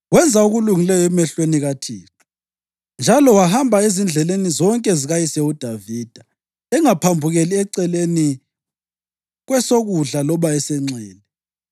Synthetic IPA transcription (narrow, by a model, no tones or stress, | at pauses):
wɛnd͡zʱauɣuluŋilɛjɔɛmɛɬweniɣatʰiːtu̥ | nd͡ʒʱalɔwahambʱaezind͡ɮʱɛlenizɔŋkʼɛziɣajisɛud̥ʱaviːd̥ʱa | ɛŋapʰambʱuɣeliɛǀɛleni | ɣwɛsoɣuɮalɔβaɛsɛŋ͡ǀɛːlɛ